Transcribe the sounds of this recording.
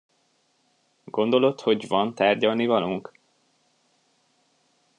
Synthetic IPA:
ɡo̞nd̪o̞lo̞t̪ho̞ɟvɒnt̪aːrɟɒlnivɒluŋk

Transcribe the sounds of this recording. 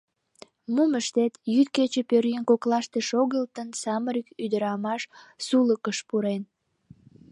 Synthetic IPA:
muməʃt̪et̪jyt̪̚ket͡ɕepøɾjənkoklɑʃt̪eʃoɣəlt̪ənsɑməɾykyd̪əɾɑmɑʃsuləkəʃpuɾen

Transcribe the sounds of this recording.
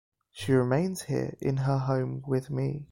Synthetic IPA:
ʃiɹɪmẽɪ̃nz̥hḭəɹɪ̰̃nəɦə̃ʊ̃mwɪðmi

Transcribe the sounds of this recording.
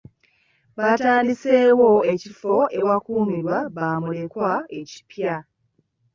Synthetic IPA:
βataːndise̞ːwo̞ecifo̞e̞wakuːmiɾwaβaːmule̞kwae̞ci̥pja

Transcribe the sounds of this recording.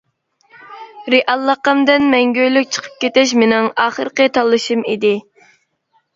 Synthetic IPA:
ɾeʔɑlˠːəqɑmd̪ɨnmɛŋɡʲøjlyk̚ʲt͡ʃʰə̥qʰə̥p̚kʲet̪ɛʃ̬menɪŋɑːχəɾqət̪ʰɑlˠːɨʃɨmid̪ɪ

